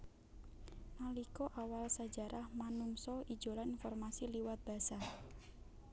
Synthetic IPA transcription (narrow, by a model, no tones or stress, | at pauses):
nalikɔʔawalsḁd͡ʒa̤ɾahmanuŋsɔid̥ʒ̥o̤laninfɔrmasiliwat̪̚b̥a̤sa